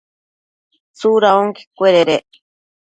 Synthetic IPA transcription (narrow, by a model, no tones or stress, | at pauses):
t͡suɾaoŋki̥kʷeɾeɾeʔ